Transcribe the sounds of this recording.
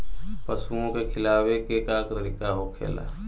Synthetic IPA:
pəsuõkekʰɪlaːwekekakt̪əɾɪkaɦokʰḛːla̰ː

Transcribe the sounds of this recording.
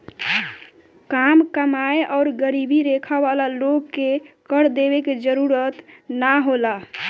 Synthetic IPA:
kamkəmaeʔɔʊɾɡəɾibiɾekʰəbalaloɡkekəɾd̪ebeked͡ʒəɾuɾət̪naɦola

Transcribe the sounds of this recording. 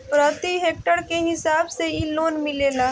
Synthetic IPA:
pɾət̪iɦeːk̚ʈəɾkeɦɪsaːbseiloːnmɪleːlaː

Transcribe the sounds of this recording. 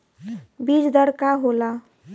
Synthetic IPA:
bid͡ʒd̪əɾkaɦola

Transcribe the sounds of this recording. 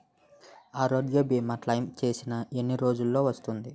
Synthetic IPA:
aːɾoːɖijoːbiːmːɐʈlɐjmt͡ʃe̞ːsinɐe̞nːiɾo̞ːd͡ʒulːo̞ːʋɐst̪und̪i

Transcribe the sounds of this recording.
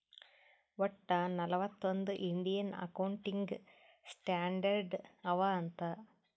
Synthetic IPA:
ʋɐʈːɐnɐlɐpɐt̪ːond̪ɨʔind̪ijɐnɐ̰kɐwɳʈiŋɡɨ | sʈaːɳɖɐɾɖɐʋɐɐnt̪ɐ

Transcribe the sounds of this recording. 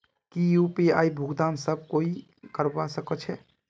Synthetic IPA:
kijupiaibʱuɡd̪amsəb̚koi | kəɾbasəkət͡ʃʰɛ

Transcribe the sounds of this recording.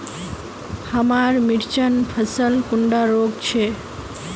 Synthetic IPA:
həmaɾmiɾt͡ʃənpʰəsəlkuɳɖaɾoɡt͡ʃʰe

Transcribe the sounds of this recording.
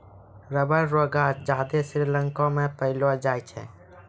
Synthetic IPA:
ɾəbəɾɾoɡad͡ʒaːd̪esɪɾlə̃ŋkɔ̃mepəɪlɔd͡ʒaːjt͡ʃʰɛ̰

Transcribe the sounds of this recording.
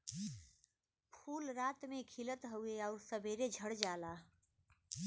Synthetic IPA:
pʰuːlɾaːt̪mẽkʰilət̪ɦəeɔːɾsəbʱeːɾed͡ʒʱəɽd͡ʒaːlaː

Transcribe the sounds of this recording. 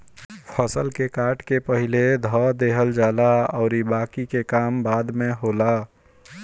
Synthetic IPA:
pʰəsəlkekaʈkepəɦiled̪ʱɔd̪eɦəld͡ʒaːlaɔʊɾibakikekambad̪meɦola

